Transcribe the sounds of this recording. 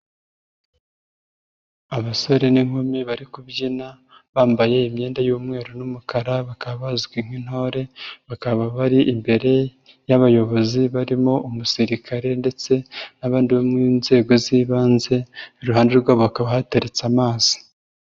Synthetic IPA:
aβaso̞ɾe̞niŋ̥homiβaɾikubɟina | βaːmbaje̞imɲe̞ːndajuːmŋe̞ːɾonumukʰaɾaβakaβaβazɡwiŋ̥win̥ho̞ːɾe̞βakaβaβaɾiʔimbe̞ɾe̞ | jaβajo̞βo̞ziβaɾimo̞umusiɾikʰaɾe̞nde̞t͡se̞naβaːndiβomŋiːnze̞ːɡo̞ziːβaːnze̞iɾuɦaːndeɾɡwaββakaβahateɾet͡samaːz̥i̥

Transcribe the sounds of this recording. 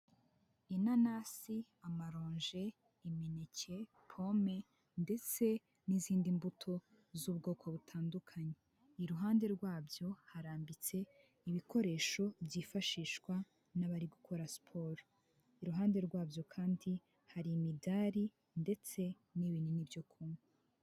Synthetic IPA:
inanasi | amaɾoːɲʒe̞ | imenecʰe̞ | pʰo̞me̞ | nde̞t͡se̞ | niziːndimbutʰo̞ | zuːβɡo̞ːkʰo̞βutʰaːndukʰaɲe | iɾuɦaːnde̞ɾɡwaːbjo̞haɾaːmbit͡se̞ | iβikʰo̞ɾe̞ːʃo̞bjiːfaʃiːʃkwa | naβaɾiɡukʰo̞ɾaspʰo̞ɾo | iɾuɦaːnde̞ɾɡwaːbjo̞kʰaːndi | haɾimidaːɾi | nde̞t͡se̞ | niβininibjo̞kʰumwe

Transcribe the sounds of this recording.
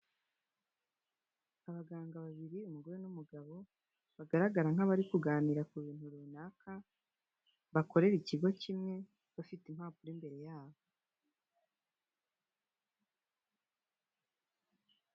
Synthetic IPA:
aβaɡaːŋɡaβaβiɾiumuɡo̞ɾenumuɡaβo̞ | βaɡaɾaɡaɾaŋ̥aβaɾikuɡaːniɾakuβiːn̥uɾuːnaːkʰa | βako̞ɾe̞ɾiciɡo̞cimŋe̞ | βafitim̥haːpuɾimbe̞ɾe̞jaːβo

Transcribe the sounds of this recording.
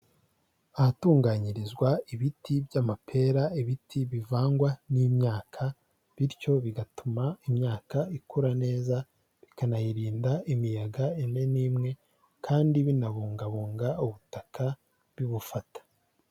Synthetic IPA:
ahatuːŋɡaːɲiɾizɡwaiβitibɟamapʰe̞ːɾaiβitʰiβivaːŋɡwanimɲaːkʰa | βiɾco̞βiɡatumaimɲaːkaikʰuɾane̞ːza | βikanajiɾiːndaimijaɡaene̞niːmŋe̞ | kʰaːndiβinaβuːŋɡaβuːŋɡauβutakʰa | βiβufatḁ

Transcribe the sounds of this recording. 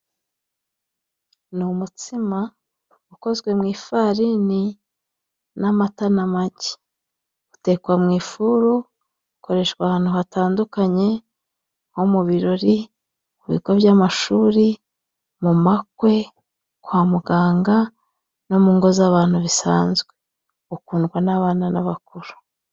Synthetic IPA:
numutima | uko̞zɡwe̞mŋiːfaɾini | namatanamaɟe̥ | u̥te̞kwamŋiːfuɾu | ko̞ɾe̞ːʃkwahaːn̥huɦataːndukaɲe̞ | ho̞muβiɾo̞ɾi | muβḭɡo̞βjamaʃuːɾi | mumakwe̞ | kwaːmuɡaːŋɡa | no̞muːŋɡo̞zaβaːn̥huβisa̰ːnzɡwe | ukuːnɡwanaβaːnana̰βakuɾu̥

